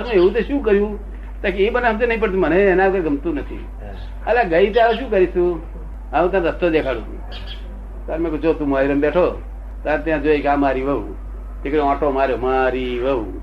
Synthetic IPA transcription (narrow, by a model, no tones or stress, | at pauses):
əmẽeũt̪eʃũːkəɾjũ | t̪akeebənaɦəmd͡ʒenəɦĩp̬əɽt̪ũməneːnãkojɡʱəmt̪ũnət̪ʰḭ | a̰laɡəit̪eaʋeʃũːk̬əɾisũ | aũt̪ãɾəst̪od̪ekʰaɽṵ̃ | t̪aɾmẽkod͡ʒot̪ũmaːiɾəmbeʈʰoː | t̪aɾt̪jãd͡ʒoekamaɾiʋəṵ | t̪ekəɾoãːʈomaɾjomaɾiʋəu